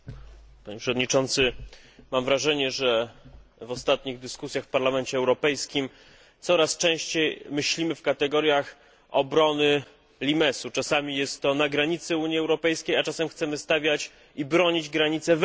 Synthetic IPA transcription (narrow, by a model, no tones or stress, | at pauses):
paɲɛpʂɛvɔd̪ɲit͡ʂɔnt̪sɘmamvɾaʐɛɲɛʐɛ | vɔst̪at̪̚ɲiɣd̪ɘskusʲjaxfpaɾlamɛnt͡ɕɛɛwɾɔpɛjskʲim | t̪sɔɾast͡ʂɛ̃w̃ɕt͡ɕejmɘɕlʲimɘfkat̪ɛɡɔɾʲjax | ɔbɾɔnɘ | lʲimɛsut͡ʂasamʲijɛst̪ːɔnaɡɾaɲit̪sɘuɲjiɛwɾɔpɛjskʲejat͡ʂasɛmxt̪sɛmɘst̪avʲjat͡ɕ | ibɾɔɲid͡ʑɡɾaɲit̪sɛv